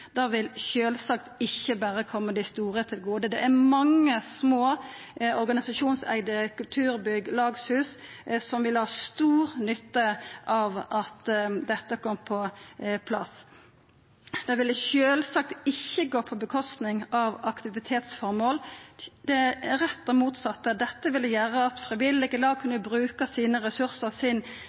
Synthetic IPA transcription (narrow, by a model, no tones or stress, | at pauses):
d̪̥ɑːʋɪlçøːlsɑkt̪ɪçːəbæːɾəkʰɔmːəd̪ɪst̪uːɾət̪ʰɪlɡuːd̪əd̪ɛ̰ʔæɾmɑŋːəsmoː | ɔɾɡɑnɪsɑʃuːnsæ̰ɪd̪əkʉlt̪ʰʉːɾbʏɡlɑːɡshʉːssɔmʋɪlhɑːst̪uːʁnʏt̪ːəʔɑʋɑt̪d̪ɛt̪ːəkʰɔmːpʰɔpʰlɑ̰sː | d̪̥ɛʋɪlːəʃøːlsɑk̚t̪ɪçːəɡoːpʰɔbəkʰɔst̪nɪŋɑʋɑkt̪ɪʋɪt̪ʰeːt̪sfɔɾmoːld̪ɛæɾɛt̪ːɔmuːt̪sɑt̪ːəd̪ɛt̪ːəʋɪld̪əjæːɾəɑt̪fʁɪʋɪlːɪɡəlɑːɡ̚kʰʉnːəbɾʉːkəsiːnəɾɛsʉɾsəʁsɪn